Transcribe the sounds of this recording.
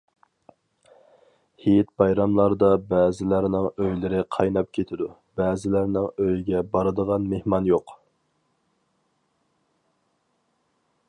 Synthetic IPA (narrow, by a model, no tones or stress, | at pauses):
hijɛt̪̚bɑjɾɑmlˠɑɾd̪ɑbɛːzɪlæɾnɪŋøjlɪɾɪqʰɑjnɑp̚kʲʰet̪ʰɪd̪u | bɛːzɪlæɾnɪŋøjiɡʲɛbɑɾɨd̪əʁɑnmehmɑnjoq